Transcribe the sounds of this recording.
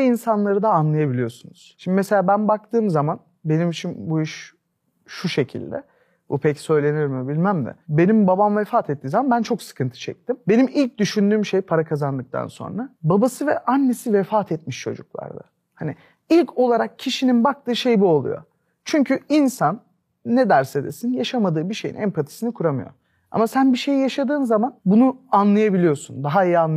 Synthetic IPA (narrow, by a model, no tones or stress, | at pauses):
ɛinsanlˠaɾɯd̪aːnlˠajabilʲijo̞sunuz̥ʃimd̪imese̞lʲaːbænbak̚t̪ʰɯːmzaman | be̞nimit͡ʃʰinbuiʃ | ʃuʃe̞cʰḭlʲd̪ɛ̰ | bupʰɛcsø̞jlʲe̞nijoɾumɛbilʲmæmd̪ɪ̰be̞nimbabamvɛfaːt̪ʰɛt̪ʰːiːnzamanbænt͡ʃʰo̞ksɯ̥kʰɯnt̪ʰɯ̥t͡ʃʰɛ̰c̚t̪imbenimilʲc̚d̪yʃynd̪yːmʃe̞jpʰaɾakʰazand̪ɯk̚t̪ʰa̰nso̞̰nɾababasɯvɛ̰ʔanːesivɛfaːt̪ʰɛt̪̚miʃt͡ʃʰo̞̰d͡ʒuklˠa̰ɾd̪a̰ | hani | ilʲcʰo̞lˠaɾak̚cʰiʃininbak̚t̪ʰɯːʃe̞jibuolˠṵjo̞̰ | t͡ʃʰyɲcʰyinsanː | ɛd̪æɾse̞d̪ḛsinjaʃamad̪ɯːbiʃe̞jḭnʔæ̰mpʰat̪ʰi̥sinikʰuɾamɯjo̞̰ | a̰masænbiʃe̞jijaʃad̪ɯːnzamanbunuanlˠajabilʲijo̞sund̪aɦaijian